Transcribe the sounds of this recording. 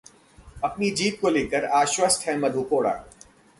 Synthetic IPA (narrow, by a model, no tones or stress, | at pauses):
ɐpnid͡ʒiːt̪̚koleːkəɾaːʃwəst̪ɦɛmɐd̪ʱukoːɽa̰ː